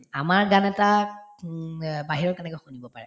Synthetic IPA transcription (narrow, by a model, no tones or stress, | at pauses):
amaɹɡanɛta | baɦiɹɔɹkɛnɛkojxonibɔpaɹɛ